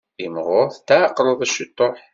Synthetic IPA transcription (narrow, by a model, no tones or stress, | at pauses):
imʁoθt̪aqːlˤəðˤæʃit̪ˤːoħ